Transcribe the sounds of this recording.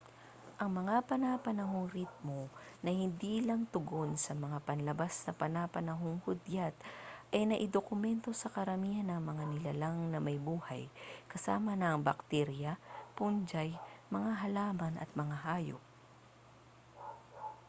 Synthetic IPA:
ʔɐŋmɐŋapɐnapɐnɐɦo̞ŋɾit̪̚monɐhɪnd̪iːlɐŋt̪ʊɡo̞nsɐmɐŋapɐnlɐbasnɐpɐnapɐnɐɦoŋhʊd̪jat̪̚ʔɐjnɐʔɪd̪okʊmɛnt̪o̞sɐkɐɾɐmiːhɐnɐŋmɐŋanɪlɐlaŋnɐmɐjbuːha̰jkɐsaːmɐnɐːŋbɐkt̪ɛɾjɐpund͡ʒajmɐŋaɦɐlaːmɐnʔɐ̰t̪̚mɐŋaɦaːjo̰p̚

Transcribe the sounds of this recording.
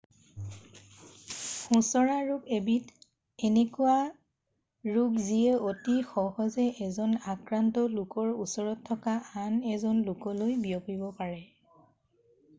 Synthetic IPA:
xũsɔɹaɹukebit | ɛnekuwa | ɹukziɛotixɔhɔzɛʔɛzɔnakɹantɔlʊkɔɹusɔɹɔtʰːɔkaanɛzɔnlʊkɔlojbiɔpibɔpaɹɛ

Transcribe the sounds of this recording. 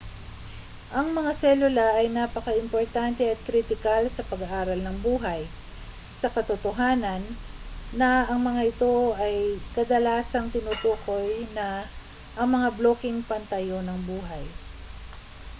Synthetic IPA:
ʔɐŋmɐŋasɛlʊlɐʔɐjnaːpɐkɐʔɪmpoɹt̪ant̪ɛɐt̪̚kɾit̪ɪkalsɐpɐɡaʔaːɾɐlnɐŋbuːɦɐj | sɐkɐt̪ʊt̪oɦaːnɐnː | ɐɐŋmɐŋaʔɪt̪o̞ɐjkɐd̪ɐlaːsɐŋt̪ɪnuːt̪uːko̞jnɐ | ʔɐŋmɐŋabloːkɪŋpɐnt̪ɐjo̞nɐŋbuːɦɐj

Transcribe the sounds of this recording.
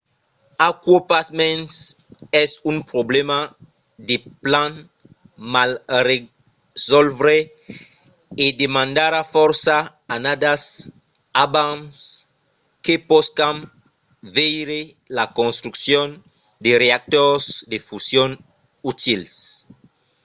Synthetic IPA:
akwopasmɛ̃ns | ɛsumpɾoblema | d̪eplãn | malre | zɔlvɾe | ed̪emãnd̪aɾafɔɾsaː | nad̪as | abams | kepɔskan | vejɾe | lakõnst̪ɾuksjon | d̪ereak̚t̪oɾsd̪efusjon | ut̪ils

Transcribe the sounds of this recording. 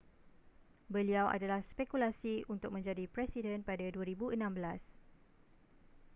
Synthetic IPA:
bəliawʔa̰dalahspɛkulasiʔunt̪ʊk̚mə̃ɲd͡ʒadipɾɛsidənpadaduaɾibuənãmbəlas

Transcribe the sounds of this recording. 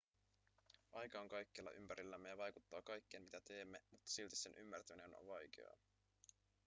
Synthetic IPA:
ʔɑjkɑoŋkɑjkːelːɑ̰ʔympæɾilːæmːejɑʋɑjkut̪ːɑːkɑjkːeːnmit̪æt̪e̞ːmːe̞mut̪ːɑ̥silt̪isːe̞nʔymːært̪æmine̞no̰nʋɑjk̟ḛɑ̰

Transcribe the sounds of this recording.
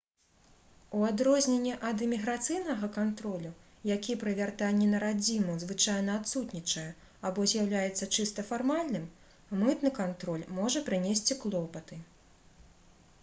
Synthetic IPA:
uad̪ɾɔzʲnʲenʲːɛʔɐd̪ɨmʲiɣɾat̪sɨjnɐɣɐkant̪ɾɔlʲu | jakʲipɾɨvʲart̪anʲːɛnɐɾad͡zʲimuzvɨt͡ʂajnɐːt̪sut̪nʲit͡ʂɐjɛ | abɔzʲjawlʲajɛt̪sːɐt͡ʂɨst̪ɐfarmalʲnɨm | mɨt̪nɨkant̪ɾɔlʲmɔʐɐpɾɨnʲesʲt͡sʲiklˠɔpɐt̪ɨ

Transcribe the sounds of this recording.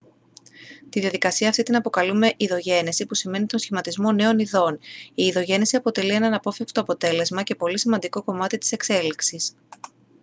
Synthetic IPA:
t̪iðiɐðikɐsiɐːft̪it̪inɐpo̞kɐlume̞ʔiðo̞ʝe̞nisipusime̞nit̪o̞nsçimɐt̪izmo̞ne̞o̞niðo̞niːðo̞ʝe̞nisiɐpo̞t̪e̞lie̞nɐnɐpo̞fikst̪o̞ːpo̞t̪e̞le̞zmɐce̞po̞lisimɐnd̪iko̞ko̞mɐt̪it̪i̥se̞kse̞liksis

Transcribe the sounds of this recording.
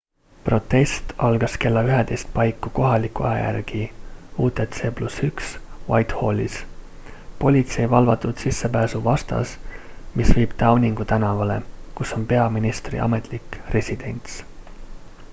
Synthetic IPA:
pro̞t̪ːe̞st̪ɑlɡ̥ɑske̞lːɑyɦet̪e̞jst̪̚pɑjkːˑuko̞ɦɑlʲikːˑuɑjɑ̰jæ̰rɡ̥iuːt̪et̪se̞ːplusyksvɑjt̪ho̞lʲːis | po̞lʲit̪se̞jvɑlvɑt̪ːˑud̪̥sisːepæːsuvɑst̪ɑ̰smisviːb̥t̪ɑwnʲiŋɡ̥ut̪ænɑvɑle̞kuso̞npe̞ɑminist̪rḭʔɑ̰me̞t̪ˑlikre̞sʲid̪̥e̞nʲt̪s

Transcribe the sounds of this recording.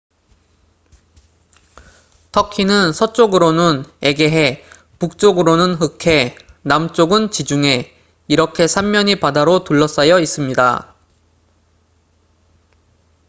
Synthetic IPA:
tʰʌkʰinɯnsʰʌt͡ɕ͈oɡɯɾonɯne̞ɡe̞ɦe̞ | puk̚t͡ɕ͈oɡɯɾonɯnɦɯkʰe̞ | namt͡ɕ͈oɡɯnt͡ɕid͡ʑuŋe̞ | iɾʌkʰe̞sʰamːʌɲipadaɾotuɭːʌs͈ʌjʌis͈ɯmɲida̰

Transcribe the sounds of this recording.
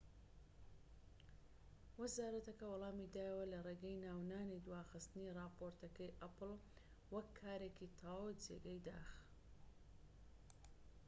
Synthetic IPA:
wɨzaːɾɐt̪ɐkɐwɐlˠɑːmid̪aːjɐwɐlɐreːɡɐjnaːwnaːnid̪waːxɨst̪ɨnirɑːpoːɾt̪ɐkɐjʔɐpɨl | wɐkʰːaːɾeːkit̪ʰaːwd͡ʒḛɡɐjd̪aːx

